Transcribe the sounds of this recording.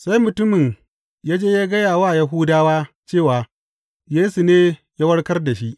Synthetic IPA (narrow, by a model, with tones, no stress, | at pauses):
sa˦jmʊ˨tʊ˦mɪ˨ŋ | jaː˦d͡ʒeː˦jaː˦ɡɐ˦jaː˨waː˦˨ja˦ɦu˦daː˦waː˦ | t͡ʃeː˦˨waː˨ | jeː˦su˨neː˦ja˦wɐ˦ɽkɐ˦rda˨ʃi˦ʔ